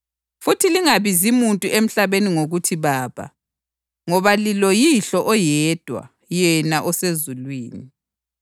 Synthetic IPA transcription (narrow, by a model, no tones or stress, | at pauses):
futʰiliŋaβizimuntʼuʔem̩ɬaβeniŋoɣutʰiβaːβa̰ | ŋɔβalilɔjiɬɔʔɔjɛd̥ʱwa̰ | jɛnaʔɔsezulwiːni